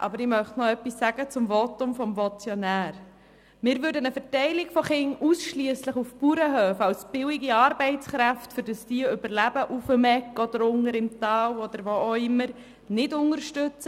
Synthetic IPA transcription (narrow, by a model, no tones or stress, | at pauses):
ʔɑ̰bəɾɪmœχtnɔœpːisːæɡət͡sʊmvɔtʊmfɔmvɔt͡sjɔnæːɾ | mɪːɾʋʉːɾdənəfɛɾtɛɪlɪkfɔχɪŋusʃliəsləχufpuɾəɦøːfɑwsb̥ɪwiɡiɑːɾbɛɪt͡sχɾæftfʏɾdəsd̥iəʏbəɾlæbəʔufəmɛkːɔd̪əɾʊŋəɾɪmt̪ɑːwɔd̪əɾʋooɪmːəɾ | nɪdʊŋəɾʃtʏt͡sə